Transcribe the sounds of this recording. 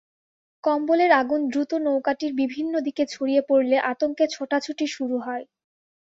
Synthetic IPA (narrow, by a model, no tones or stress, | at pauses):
kɔmboleɾaɡund̪ɾut̪onowkaʈiɾbibʱinːod̪iket͡ɕʰoɽijepoɾleʔat̪oŋket͡ɕʰoʈat͡ɕʰuʈiʃuɾuɦɔe